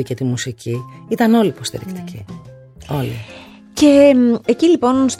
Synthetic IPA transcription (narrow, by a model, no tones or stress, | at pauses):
icet̪imusiciit̪ɐno̞lipo̞st̪ḭɾḭkt̪i̥cʰi | o̞lḭ | ce̞ecilipo̞nst̪